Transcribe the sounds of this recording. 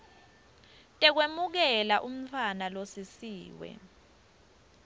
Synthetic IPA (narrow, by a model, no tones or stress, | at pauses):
tʼɛk̬wemuk̬ɛlaʔum̩tʰwanalosisiːwɛ̰